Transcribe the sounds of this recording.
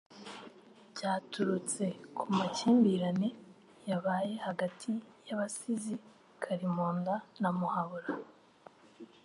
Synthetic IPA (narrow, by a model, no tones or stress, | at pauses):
ɟaːtʰuɾut͡se̞kʰumaciːmbiɾane | jaβaːje̞haɡatʰijaβasizi | kʰaɾimoːndanamuhaβuɾa